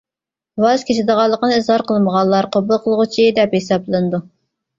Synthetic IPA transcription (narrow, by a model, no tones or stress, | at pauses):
wɑzkʲʰet͡ʃʰɪd̪əʁɑlˠːəqənɨizhɑɾqʰəlˠməʁɑnlːˠɑɾqʰobʊlˠqʰəlˠʁʊt͡ʃʰid̪ɛphesɑblˠɨnɨd̪u